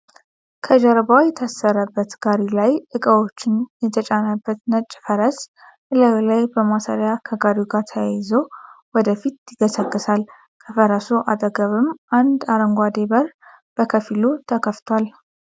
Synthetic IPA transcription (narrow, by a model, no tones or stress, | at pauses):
kʰəd͡ʒəɾbawjɛt̪ʰasːəɾəbːət̪ɡ̥aɾilajʔɨkʼəwo̞t͡ʃːɪnjɛt̪ʰət͡ʃʼanabːət̪nət͡ʃʼːfəɾəs | ɨləwlajbəmasa̰ɾjakʰəɡaɾiɡat̪ʰəjajɪzəwwɔd̪əfit̪jɪɡəsəkʼːɨsal | kʰəfəɾəsuʔa̰t̪ʼəɡəβɨmʔand̪aɾəŋɡʷad̪e̞bəɾ | b̥əkʰəfilut̪ʰəkʰəft̪ʰwal